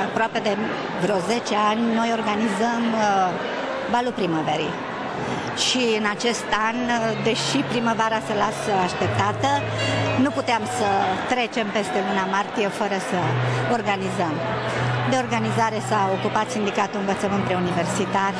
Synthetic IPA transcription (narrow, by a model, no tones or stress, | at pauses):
apɾoape̞d̪e̞ | vɾeo̞ze̞t͡ʃe̞anʲno̞jo̞rɡanizəm | valupɾiməveɾḭ | ʃiɨnat͡ʃe̞st̪and̪e̞ʃipɾiməvaɾasəlasəaʃt̪e̞p̚t̪at̪ə | nuput̪eamsət̪ɾe̞t͡ʃe̞mpe̞st̪e̞lunamart̪ije̞fəɾəsəo̞rɡanizəmd̪e̞o̞rɡanizaɾe̞saokupat̪sind̪ikat̪uɨnvət̪səmənpɾeunive̞rsit̪ar